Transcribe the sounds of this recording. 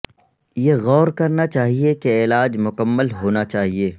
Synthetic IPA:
jeɣɔːɾkɐɾnat͡ʃaːɦiekeɪːlaːd͡ʒmʊkəmːəlɦoːnat͡ʃaːɦieː

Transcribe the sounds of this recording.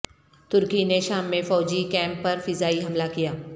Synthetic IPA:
t̪ʊɾkineʃaːmːẽfɔːd͡ʒikɛ̃ːmpːɐɾfɪzaːiɦɐmlakijaː

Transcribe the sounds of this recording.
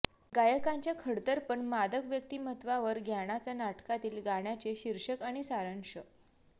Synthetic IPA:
ɡajəkãɲt͡ɕjakʰəɽt̪əɾpəɳmad̪əkʋjək̚t̪iːmət̪ʋaʋəɾɡʱjaɽ̃at͡sanaʈkat̪iːlɡaɽ̃jat͡ɕeɕiɾʂəkaɽ̃isaɾəŋʂə

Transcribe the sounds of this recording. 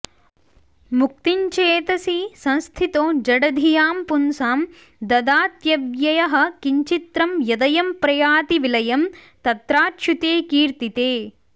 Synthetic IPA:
muk̚t̪iɲt͡ʃeːt̪ɐsisɐ̃nst̪ʰit̪oːd͡ʒɐɽɐd̪ʱijaːmpunsaːm | d̪ɐd̪aːt̪jɐʋjɐjɐɦɐ̆kiɲt͡ʃit̪ɾɐmjɐd̪ɐjɐmpɾɐjaːt̪iʋilɐjɐm | t̪ɐt̪ɾaːtʃut̪eːkiːɾt̪it̪eː

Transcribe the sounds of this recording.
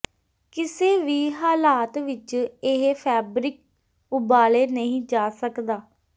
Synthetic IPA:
kɪseːʋiːɦaːlaːt̪ʋɪt͡ʃɪɦpʰɛːbɾɪk̚ | ʊbaːleːnəɦĩːd͡ʒaːsəkd̪aː

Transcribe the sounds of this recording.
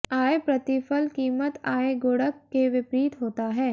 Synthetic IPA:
aːepɾɐt̪ɪfəlkiːmət̪aːeɡoːɽəkːeʋɪpɾiːt̪ɦoːt̪aɦɛː

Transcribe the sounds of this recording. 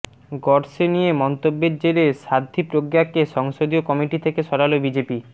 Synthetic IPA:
ɡɔɾsenijemɔnt̪obːeɾd͡ʑeɾeʃad̪ʱipɾoɡjakeʃɔŋʃod̪iokɔmiʈit̪ʰekeʃɔɽalobid͡ʑepi

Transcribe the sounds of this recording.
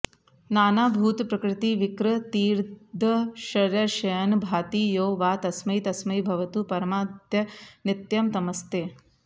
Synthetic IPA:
naːnaːbʱuːt̪pɾɐkɾɪt̪iːʋikɾɐt̪iːɾd̪ʱɐʃɐɾjɐʃɐjɐnbʱaːt̪iːjoːʋaːt̪ɐsmɐjt̪ɐsmɐjbʱɐʋɐt̪uːpɐɾɐmaːd̪jɐnɪt̪jɐmt̪ɐmɐst̪eː

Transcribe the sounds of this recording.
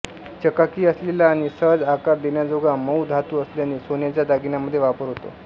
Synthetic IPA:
t͡ɕəkakiːəslelaːɽ̃isəɦəd͡zakaɾd̪enjad͡zoɡaməwd̪ʱat̪uːəsljañisonjat͡ɕjad̪aɡinaməd̪ʱːjeʋapəɾɦot̪o̰

